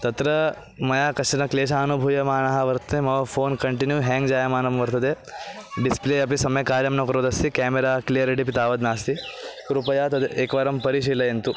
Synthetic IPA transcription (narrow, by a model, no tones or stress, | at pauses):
t̪ɐt̪ɾɐ | mɐjaːkɐʃɐnɐkleːʃaːɐnubʱujɐmaːɳɐɦɐʋɐɾt̪ɐt̪emɐʋɐfʰoːnkɐɳʈinjuɦɛːŋɡd͡ʒaːjɐmaːnɐmʋɐɾt̪ɐd̪e | ɖispleːɐp̬isɐmɐjɐkaːɾjɐmnɐkɐɾoːd̪ɐst̪ikaːmeɾaːklijɐɾiʈ̬ipit̪aːʋɐd̪naːst̪ikɾupɐjaːt̪ɐd̪eːkʋaːɾɐmpɐɾiʃ̬iːlɐjent̪u